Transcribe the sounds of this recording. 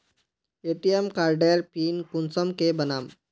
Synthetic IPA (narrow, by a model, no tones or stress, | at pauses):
eʈijemkaːɾɖeɾpiːnkʊnsəmkebɐnaːm